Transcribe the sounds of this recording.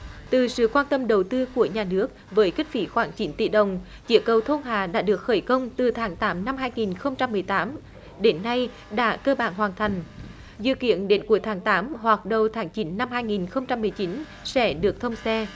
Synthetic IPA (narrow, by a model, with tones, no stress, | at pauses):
t̪ɨ˨˩sɨ̰˧˨kwaː˧nt̪ə˧mɗə˨˩wt̪ɨ˧ku˧˩əɲaː˨˩nɨ˦˥ək̚vəː˨˦jkï˦˥k̟̚fi˨˦xwaː˧˩ŋt͡ɕi˨˦nt̪ḭ˧˩ɗə˨wŋ͡m | t͡ɕi˨˧˦əkə˨˩wt̪ʰo˧nɦaː˨˩ɗa̰ː˧˥ɗɨ˨˩ək̚xəː˧˩jkə˧wŋ͡mt̪ɨ˨˩t̪ʰaː˨˦ŋt̪aː˨˦mna˧mɦaː˧jŋi˨˩nxə˧wŋ͡mt͡ɕa˧mːɨ˨˩əjt̪aː˨˦m | ɗe˨˦nːa˧j | ɗa̰ː˧˥kəː˧ɓaː˧˩nhwaː˨˩nt̪ʰa˨˩jŋ̟ | zɨ̰˧˨kḭ˧˨ənɗe˨˦nku˨˧˩əjt̪ʰaː˨˦ŋt̪aː˨˦mhwa˨˩k̚ɗə˨˩wt̪ʰaː˨˦ŋt͡ɕi˨˦nːa˧mɦaː˧jŋi˨˩nxə˧wŋ͡mt͡ɕa˧mːɨ˨˩əjt͡ɕi˨˦n | sɛ̰˧˥ɗɨ˨˩ək̚t̪ʰə˧wŋ͡msɛ˧